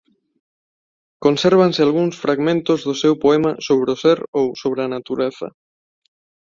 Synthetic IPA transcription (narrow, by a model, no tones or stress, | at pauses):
konseɾβ̞ansɪalɣuŋsfɾaɣmẽnt̪ozðosewpoɛmasoβ̞ɾeoseɾowsoβ̞ɾeanat̪uɾeθɐ̰